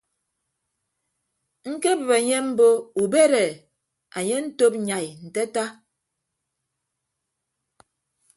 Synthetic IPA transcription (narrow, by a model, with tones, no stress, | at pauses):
ŋ̩˦ke˦bə˨βe˨ɲe˦m̩˦bo˦u˨be˦ɾɛ˨ | a˨ɲe˦n̩˦to˦p̚ɲa˨jn̩˨tɛ˦ta˦